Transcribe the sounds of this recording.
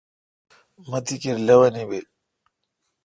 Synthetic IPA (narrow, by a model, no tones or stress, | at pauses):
mɐt̪ikiɾlɐwɐnibe